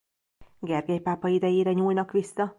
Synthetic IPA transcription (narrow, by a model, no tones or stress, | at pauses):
ɡɛrɡɛjpaːpɒid̪ɛjeːɾɛɲuːlnɒkʋisːɒ